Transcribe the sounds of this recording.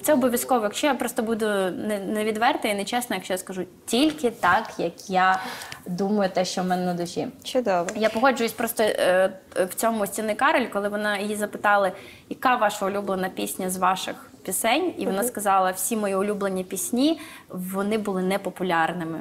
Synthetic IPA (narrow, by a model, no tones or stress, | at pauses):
t̪sɛɔbɔʋʲjɐskɔʋɔjɐkʃt͡ʃɔjapɾɔst̪ɔbud̪ʊnɛnɛʋʲid̪ʋɛrt̪ɐinɛt͡ʃɛsnɔjɐkʃt͡ʃɔjaskɐʒutʲilʲkɪt̪ɑkjɐkjad̪umɐjʊt̪ɛʃt͡ʃɔmɛnɛnɐd̪ʊsʲḭt͡ʃʊd̪ɔʋjapɔɦɔd͡ʒʊjʊsʲpɾɔst̪ɔ | wt͡sʲɔmʊsʲtʲinɪkɑɾɔlʲkɔlˠɪʋɔnɑjijizɐpɪt̪ɑlˠɐ | jɐkɑʋɑʃɐʊlʲublˠenɐpʲisʲnʲɐzʋɑʃɪ̰x | pʲisɛnʲiʋɔnɑskɐzɑlˠɐwsʲimɔjiʊlʲublenʲːipʲisʲnʲiʋɔnɪbʊlˠɪnɛpɔpʊlʲɑrnɪmɪ